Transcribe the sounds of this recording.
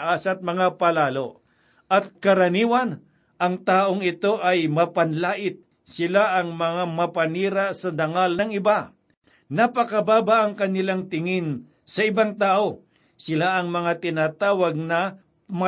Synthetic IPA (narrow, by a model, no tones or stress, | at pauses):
aːsɐt̪̚mɐŋapɐlaːlo̞ | ʔɐt̪̚kɐɾɐniːwɐn | ʔɐŋt̪aːʔoŋɪt̪o̞ʔɐjmɐpɐnlaːʔɪt̪̚ | sɪlaʔɐŋmɐŋamɐpɐniːɾasɐd̪ɐŋalnɐŋɪba | nɐpɐkɐbaːbaʔɐŋkɐnɪlaŋt̪ɪŋɪn | sɐɪbaŋt̪aːʔo̞ | sɪlaʔɐŋmɐŋat̪ɪnat̪aːwɐɡ̚nɐ | m